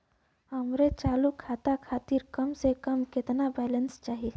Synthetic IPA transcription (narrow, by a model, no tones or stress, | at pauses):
ɦəmɾet͡ʃaːlukʰaːt̪akʰaːt̪iɾkəmsekəmkɪt̪nabɛːlənst͡ʃaːɦi